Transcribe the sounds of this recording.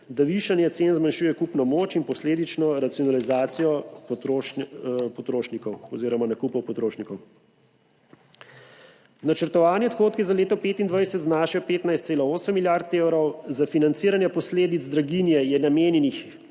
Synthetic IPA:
d̪aʋiʃanjɛt̪senzmanʃuːjɛkupnɔmoːt͡ʃinpɔsleːd̪it͡ʃnɔɾat̪sijɔnalizaːt̪sijɔt̪o | pɔt̪ɾoːʃnikɔwɔziːɾɔmanakupɔwpɔt̪ɾoːʃnikɔw | nat͡ʃəɾt̪ɔʋaːnjɛɔt̪xoːt̪kizaleːt̪ɔpeːt̪ind̪ʋajsɛt̪znaːʃɛɔpeːt̪najst̪seːlɔoːsəmːiljaɾt̪eːwɾɔwzafinant̪siːɾanjɛpɔsleːd̪id̪zd̪ɾaɡinjɛjɛnameːnjɛnix

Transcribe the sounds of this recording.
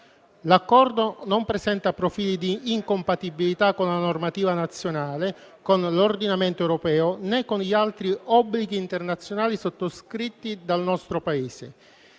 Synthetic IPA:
lakːɔrd̪onompɾesɛnt̪apɾofiːlid̪iːŋkompat̪ibilit̪akːonlanormat̪iːvanat̪sːjonaːle | konlord̪inament̪oɛwɾopɛːonɛkːonʎialt̪ɾiɔbːliɡiːnt̪ernat̪sːjonaːlisot̪ːoskɾit̪ːid̪alnɔst̪ɾopaeːsḛ

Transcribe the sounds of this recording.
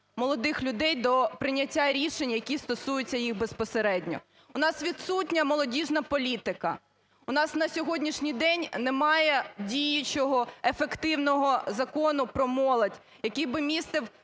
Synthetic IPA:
mɔlˠɔd̪ɪxlʲʊd̪ɛjd̪ɔpɾɪnʲɐtʲːaɾʲiʃenʲjɐkʲist̪ɔsujʊt͡sʲːɐjixbespɔseɾɛdʲnʲɔ̰ | ʊnɑsʋʲidt̪sutʲnʲɐmɔlˠɔdʲiʒnɐpɔlʲit̪ɪkɐ̰ | ʊnɑsnɐsʲɔɦɔdʲnʲiʃnʲijd̪ɛnʲnemɑjɛdʲijɪt͡ʃɔɦɔefekt̪ɪwnɔɦɔzɐkɔnʊpɾɔmɔlˠɐdʲ | jɐkʲibɪmʲist̪ɪw

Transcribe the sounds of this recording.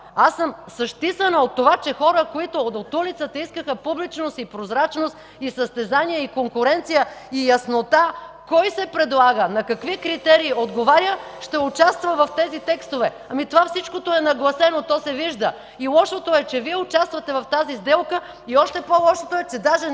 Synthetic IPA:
asəmsɐʃt̪isənəot̪ːovat͡ʃɛxɔɾəkoit̪oot̪ulit̪sət̪əiskəxəpublit͡ʃnost̪ipɾozɾat͡ʃnost̪ | isəst̪ɛzaniɛikoŋkʊɾɛnt̪sijəijɐsnot̪akɔjsɛpɾɛd̪lˠaɡənɐkɐkvikɾit̪ɛɾiːod̪ɡovaɾjəʃt̪ɛʊt͡ʃast̪vɐvɐft̪ɛzit̪ɛkst̪ovɛ | ɐmit̪ovafsit͡ʃkot̪oɛnɐɡlˠɐsɛnot̪ɔsɛviʒd̪ə | ilˠɔʃot̪oɛt͡ʃɛviɛʊt͡ʃast̪vɐt̪ɛvɐft̪azizd̪ɛlˠkə | iɔʃt̪ɛpolˠɔʃot̪oɛt͡ʃɛd̪aʒɛ

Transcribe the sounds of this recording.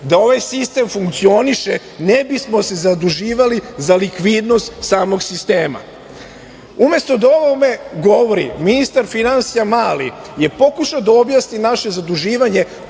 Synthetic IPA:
d̪ao̞ʋajsist̪e̞mfuŋkt̪sio̞niʃe | nebismo̞se̞zad̪uʒiːʋalizalikʋid̪no̞st̪saːmo̞ɡsist̪e̞ːma̰ | ume̞st̪o̞d̪ao̞ʋome̞ɡo̞ʋo̞ɾḭminist̪aɾfinansijamaːlḭje̞po̞kuʃaod̪ao̞bjaːsninaʃe̞zad̪uʒiːʋaɲe̞

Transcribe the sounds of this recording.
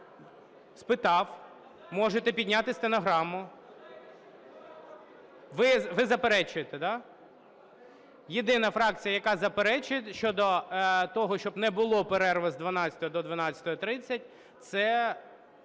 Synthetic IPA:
spɪt̪ɑw | mɔʒet̪ɛpʲid̪ʲnʲat̪ɪsʲt̪enɔɦɾɑmʊ | ʋɪʋɪzɐpeɾɛt͡ʃʊjet̪ɛd̪ɑ | jɪd̪ɪnɐfɾɑk̚t͡sʲijɐjɐkɑzɐpeɾɛt͡ʃʊjetʃt͡ʃɔd̪ɔt̪ɔɦɔʃt͡ʃɔbnɛbʊlˠɔpeɾɛrʋɛzd̪ʋɐnɑt͡sʲɐ̥t̪ɔjɔd̪ɔd̪ʋɐnɑt͡sʲɐ̥t̪ɔɔt̪ɾɪt͡sʲːɐt̚ʲ | t̪sɛ

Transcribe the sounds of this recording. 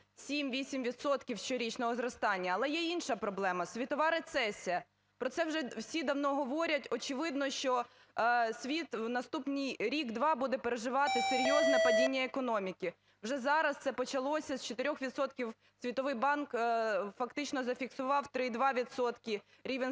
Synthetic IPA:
sʲimʋʲisʲimʋʲid̪sɔt̪kʲiwʃt͡ʃɔɾʲit͡ʃnɔɦɔzɾɔst̪ɑnʲːɐːlˠɛjɛinʃɐpɾɔblˠɛmɐsʲʋʲit̪ɔʋɑɾet̪sɛsʲijɐ | pɾɔt̪sɛwʒɛwsʲid̪ɐwnɔɦɔʋɔɾʲɐtʲɔt͡ʃɪʋɪd̪nɔʃt͡ʃɔ | sʲʋʲit̪wnɐst̪upnʲijɾʲiɡd̪ʋɑbud̪ɛpeɾeʒɪʋɑt̪ɪseɾʲjɔznɛpɐdʲinʲːɐekɔnɔmʲikʲi | wʒɛzɑɾɐst̪sɛpɔt͡ʃɐlˠɔsʲɐst͡ʃɔt̪eɪɾʲɔxʋʲid̪sɔt̪kʲiw | sʲʋʲit̪ɔʋɪjbɑnkfɐkt̪ɪt͡ʃnɔzɐfʲiksʊʋɑwt̪ɾɪd̪ʋɑʋʲid̪sɔt̪kʲɪ | ɾʲiʋɛn

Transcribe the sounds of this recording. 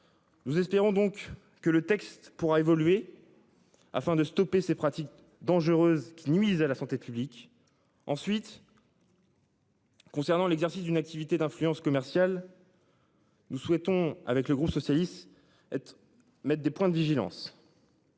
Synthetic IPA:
nuzɛspeʁɔ̃d̪ɔ̃kː | ələt̪ɛkst̪puʁaevɔlɥe | a̰fɛ̃d̪əst̪ɔpesepχat̪ik̚ | d̪ɑ̃ʒəʁøzkʲʰinɥizalasɑ̃t̪epyblik | ɑ̃sɥit̪ | kɔ̃sɛʁnɑ̃lɛɡzɛʁsisd̪ynak̚t̪ivit̪ed̪ɛ̃flyɑ̃skɔmɛʁsjal | nuswɛt̪ɔ̃a̰vɛkləɡʁupsɔsjalist̪ | ɛt̪ | mɛt̪χ̚d̪epwɛ̃d̪əviʒilɑ̰̃s

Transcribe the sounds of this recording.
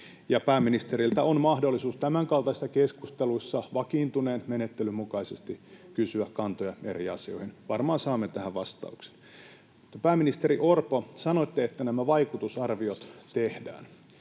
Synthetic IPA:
jɑpæːmːinist̪eɾilt̪æonmɑhdolːisuːst̪æmæŋkɑlt̪ɑisːɑkeskust̪eluisːɑʋɑkiːnt̪uneːnmenet̪ːelymukɑisest̪ikysyækkɑnt̪ojɑḛriɑsio̞̰ihinʋɑrmɑːnsɑːmːet̪æhæʋʋɑst̪ɑ̰ukse̥n | t̪pæːmːinist̪eɾiʔorposɑnoit̪ːeet̪ːænæmæʋɑikut̪usɑrʋiot̪t̪ehdæ̰ːn

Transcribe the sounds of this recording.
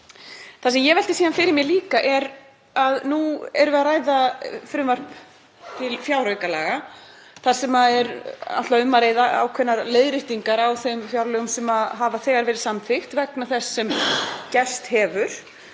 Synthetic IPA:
θas̬ɛmjɛvɛl̥t̪ɪsiːðanfɪɾɪɾmjɛliːkaʔɛɾ | aðnuɛɾvɛðaraːjðafɾʏmvar̥p | t̪ʰɪlfjawɾrœɥkala̰ːɣa | θasɛmaɛɾa̰t̪laʏmːaɾejðaa̰wkʰvɛnːaɾleːjðɾɪht̪iŋkaɾawθemfjawɾlœːɣʏmsɛmaðɦavaθɛːɣaɾvɛːɾɪ̥samfɪxt̪vɛknaθɛsːɛmcɛst̪hɛːvʏɾ̥

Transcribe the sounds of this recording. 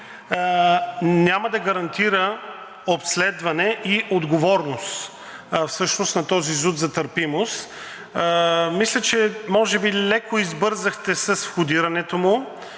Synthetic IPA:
nʲamɐd̪ɐɡɐɾɐnt̪iɾə | opslɛd̪vɐnɛʔiʔod̪ɡovɔɾnost̪ | fsɤʃnost̪nɐt̪ɔzizut̪zɐt̪əɾpimost̪ | mislʲət͡ʃɛmɔʒɛbilɛkoizbɤɾzɐxt̪ɛsəsfxʊd̪iɾɐnɛt̪omʊ

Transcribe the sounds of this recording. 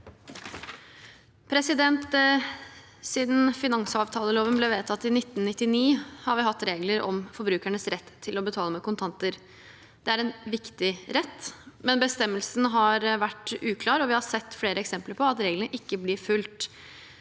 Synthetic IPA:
pʰɾɛsɪd̪ɛnt̪ | siːd̪n̩fɪnɑŋsəɑːʋt̪ʰɑːləloːʋənblɛʋeːt̪ʰɑt̪ːɪnɪt̪ːnnɪt̪ːɪniːhɑɾʋɪhɑt̪ːɾeːɡləɾɔ̰mfɔɾbɾʉːkæɳəsɾɛt̪ʰːɪlɔbət̪ʰɑːləmɛkʊnt̪ʰɑnt̪əɾ | d̪̥ɛæɾɛnʋɪkt̪ɪɾɛt̪ːmɛnbəst̪ɛmːəlsənəɦɑɾʋæʈːʉːkʰlɑːɾɔʋɪhɑɾsɛt̪ːfleːɾəɛksɛmpləɾpʰɔɑt̪ɾeːɡlənəʔɪkːəblɪɾfʉlt̪

